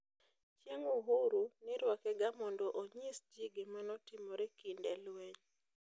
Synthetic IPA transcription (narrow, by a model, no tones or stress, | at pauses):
t͡ʃjeŋuɦuɾunɪɾwakɛɡamɔndɔʔoɲisd͡ʒiɡemanɔtɪmɔɾɛkindɛlwɛɲ